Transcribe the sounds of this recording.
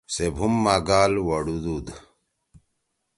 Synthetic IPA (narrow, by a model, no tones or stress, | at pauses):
sebʱumːaɡaːlwɐɽud̪ud̪